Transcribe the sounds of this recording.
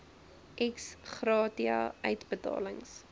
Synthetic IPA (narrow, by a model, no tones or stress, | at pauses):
ʔɛksχrɑːtiɑ̰œɥtbətɑ̰ːləŋs